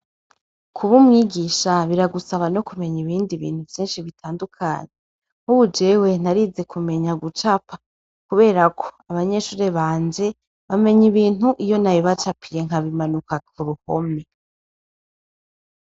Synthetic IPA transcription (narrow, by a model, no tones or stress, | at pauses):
kʰuβumŋiːɡiʃaβiɾaɡusaβano̞kume̞ɲiβiːndiβḭːn̥huvjiːnʃiβitʰaːndukʰa̰ɲe | huβud͡ʒe̞we̞n̥aɾize̞kʰume̞ɲaɡut͡ʃapa | kuβe̞ːɾakʰo̞̥aβaɲe̞ʃuːɾe̞βaːnze̞ | βame̞ɲiβiːn̥uʔijo̞najoβat͡ʃapʰije̞ŋ̥ɦaβimanukakuɾuho̰me